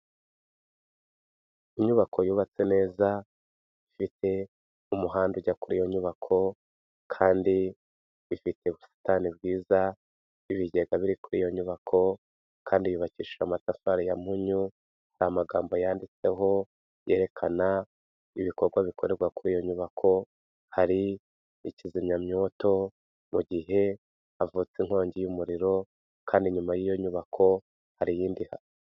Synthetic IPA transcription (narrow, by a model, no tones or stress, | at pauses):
iɲuβakʰo̞juːβat͡se̞ne̞ːza | ifitʰe̞ | umuɦaːnduɟakuɾijo̞ɲuβakʰo̞ | kʰaːndi | βifite̞βusi̥tanibɡiːza | βiβiɟe̞ɡaβiɾikuɾijo̞ɲuβakʰo̞ | kaːndijuːβaciːʃamatafaɾijam̥huɲu | hahamaɡaːmbo̞jaːndit͡se̞ɦo̞ | je̞ːɾe̞kʰana | iβiko̞ɾɡwaβikʰoɾe̞ɾɡwakuɾijo̞ɲuβakʰo̞ | haɾiː | cizimɲamɲo̞ːto̞ | muɡiɦe̞ | avut͡seŋ̥ho̞ːɲɟijumuɾiɾo̞ | kʰaːndiɲumajijo̞ɲuβakʰo̞ | haɾijiːndiha̰ɾi